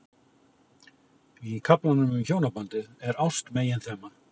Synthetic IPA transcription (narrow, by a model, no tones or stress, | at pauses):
ikʰaplanːʏmʏmçoːwnapant̪ɪðɛɾawst̪meːjɪnθɛːmːa